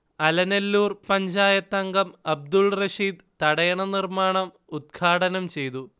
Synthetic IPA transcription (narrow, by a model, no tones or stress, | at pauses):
ɐlɐnelːuːrpɐɲd͡ʑaːjɐt̪ːɐŋɡɐmɐb̚d̪ulrɐʂiːd̪ | t̪ɐɽɐjɐɳɐnirmaːɳɐm | ud̪̚ɡʰaːɽɐnɐmt͡ɕe̞jt̪u